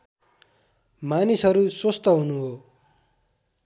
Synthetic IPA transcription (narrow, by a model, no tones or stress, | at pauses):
manisɦʌɾusost̪ʌɦunuɦo